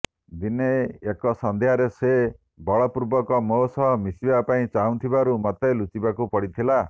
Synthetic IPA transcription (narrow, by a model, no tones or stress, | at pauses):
d̪ineːkɔsɔnd̪eɦaɾese | bɔɭɔpuɾbɔkɔmosɔɦɔmisibapaĩt͡ʃaɦũt̪ʰibaɾumɔt̪elut͡ʃibakupɔɽit̪ʰila